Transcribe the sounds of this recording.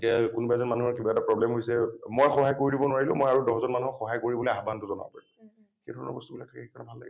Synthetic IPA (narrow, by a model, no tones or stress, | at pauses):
kakʊnubaɛzɔnmanuɦɔɹkibaɛtapɹɔblɛmɦojsɛmojxɔɦajkoɹidibɔnʊwaɹilʊ̃mojaɹudɔɦzɔnmanuɦɔkxɔɦajkoɹibɔlojaɦbantʊzɔna̰bɔ̰paɹim | xedʱɔɹɔnɔ̰ɹbɔstubilaktʰakɛxekɔɹnabʱalːa̰ɡɛ